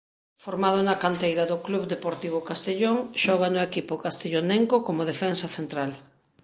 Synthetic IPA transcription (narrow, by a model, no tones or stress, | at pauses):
foɾmað̞ʊnɐkant̪ejɾɐðʊkluβd̪epoɾt̪iβ̞ʊkast̪eʎoŋʃɔɣ̞anʊekipʊkast̪eʎoneŋkokomoðefɛnsɐθent̪ɾal